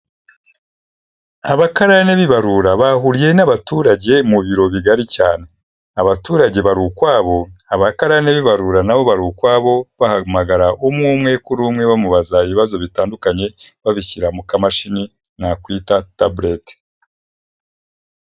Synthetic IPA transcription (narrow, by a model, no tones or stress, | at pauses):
aβakaɾane̞βiβaɾuɾaβaɦuɾije̞naβatuɾaɟe̞muβiɾo̞βiɡaɾicaːne̞ | aβatuːɾaɟe̞βaɾukwaːβo̞aβakaɾaneβiβaɾuɾanaβo̞βaɾuːkwaːβo̞βahamaɡaɾaʔumŋuːmŋe̞kuɾuːmŋe̞βamuβazaiβiβazo̞βitaːndukaɲe̞βaβiçiɾamukamaʃini | nakwiːtatablet